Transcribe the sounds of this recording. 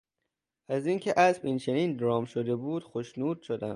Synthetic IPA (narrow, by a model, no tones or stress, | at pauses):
ʔæziːncʲʰeʔæsbint͡ʃʰe̞niːnd̪ɾɒːmʃod̪e̞buːd̪̥xoʃnuːd̪̥̚ʃod̪æm̥